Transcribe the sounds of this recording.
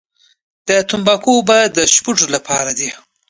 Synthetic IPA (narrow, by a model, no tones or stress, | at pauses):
d̪̥ət̪ʊmbɑkobad̪əʃpuʈ͡ʂolapʰɑɾad̪i